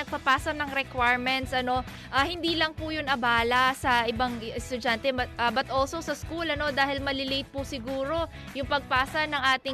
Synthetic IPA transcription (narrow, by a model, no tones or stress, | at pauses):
ɐɡ̚pɐpaːsɐnɐŋɾɛkwajɹmɛnt̪sʔɐno̞ | ʔahɪnd̪iːlɐŋpʊjʊnɐbaːlɐsɐʔɪbɐŋɛst̪ʊd͡ʒant̪ɛbɐt̪̚ʔɐbɐt̪ʔolso̞sɐskulɐno̞d̪aːhɪlmɐlɪlejt̪̚pʊsɪɡuːɾo̞ | jʊŋpɐɡ̚paːsɐnɐŋʔaːt̪ɪ